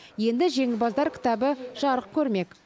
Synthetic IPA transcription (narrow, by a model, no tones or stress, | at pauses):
je̞nd̪ɪʒe̞ŋɪlbɑzd̪ɑɾkʲʰɪ̥t̪ɑbəʒ̥ɑɾəq̚kʲʰɵɾme̞kʲ